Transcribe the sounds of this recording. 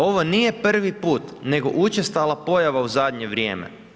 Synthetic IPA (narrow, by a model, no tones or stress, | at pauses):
o̞ʋo̞niːje̞pr̩ʋipuːt̪ne̞ɡo̞̰ʔut͡ʃest̪alˠapo̞jaʋauzad̪ɲe̞ʋɾjḛːmḛ